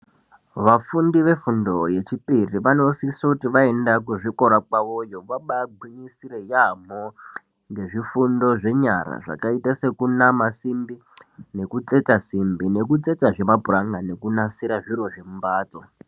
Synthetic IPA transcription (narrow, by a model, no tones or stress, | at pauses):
ʋafundiʋe̞fundo̞je̞t͡ʃipiriʋano̞siisokutiʋae̞ndakuʐiko̞ɾakwaʋojoʋaɓaɡʱwiɲisiɾe̞jamo | ŋɡe̞ʐifundo̞ʐe̞ɲaɾa̰ʐa̰kaitase̞kunamasimbi | ne̞kut͡se̞t͡sasimbine̞kut͡se̞t͡saʐe̞mabʱuraŋɡane̞kunasiɾaʐiɾo̞ʐe̞mbaːt͡so